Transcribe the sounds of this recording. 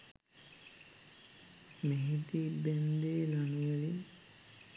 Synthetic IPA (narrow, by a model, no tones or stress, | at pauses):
meɦit̪ibɛnd̪eːlanuʋeli